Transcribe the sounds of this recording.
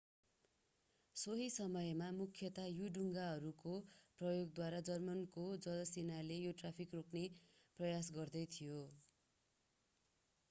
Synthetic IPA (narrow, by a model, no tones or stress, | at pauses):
soɦisʌmʌjmamukʰjʌt̪ajuɖuŋɡaɦʌɾukoprʌjoɡd̪waɾad͡zʌrmʌnkod͡zʌlʌsenalejoʈrapʰikrokʰneprʌjas̬ɡʌrd̪ʌjt̪ʰijo